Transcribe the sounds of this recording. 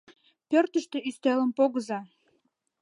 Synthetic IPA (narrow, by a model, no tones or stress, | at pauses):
pørt̪ə̆ʃt̪ĕyst̪elə̆mpoɣəzɑ